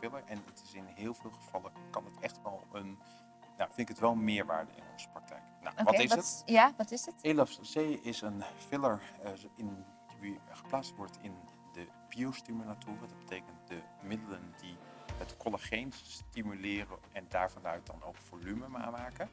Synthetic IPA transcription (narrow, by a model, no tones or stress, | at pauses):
fɪləɹʔɛnətɪsɪnɦɪːlˠvɪːlˠχəv̥ɑlˠəkɑnətɛχtʋɛlˠən | na̰fɪntɪkətʋɛlˠnmɪːɹʋa̰ːɹdə̰ɪ̰nɔ̰nz̥ə̥prɑk̚tʰɛ̰jkna̰wʋɑtɪsəaʋɑtɪsətelɔfzejɪsənfɪləɹɪn | iχə̥plaːt͡sstʋɔɹtʰɪn | də | b̥iostimylatʰʊːrədɑt̚b̥ətʰejkənt̚də | mɪdələndi | ɦətkɔləχejnstimylɪːrənɛndaːɹvɑnœɥt̚dɑno̰wkv̥olyməma̰ːmaːkən